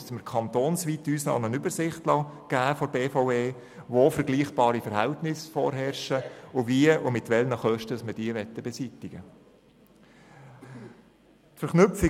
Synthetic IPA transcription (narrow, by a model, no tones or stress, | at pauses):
sməɾkʰɑnt̪oːnsʋiːt̪yːslɑ̰ːmənʏbəɾsɪχtlɑɡ̥æːfoɾbeːfoweː | ʋoːfəɾɡliːχb̥ɑːɾifəɾhɛltnɪsfɔ̰ːɾɦɛrʃəʊviəʔʊmɪt̪ʋɛlnəχœʃtəsmədiːəʋɛt̪ːəbɛsit̪ɪɡə | tfəɾχnʏp͡fi